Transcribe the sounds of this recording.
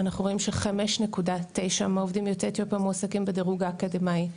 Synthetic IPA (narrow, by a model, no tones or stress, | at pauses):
anaχnuʁoimʃeχame̞ʃne̞kudat̪ːe̞jʃamaovdimjoteʁt̪jopamosakimbedeʁuɡaːkademaj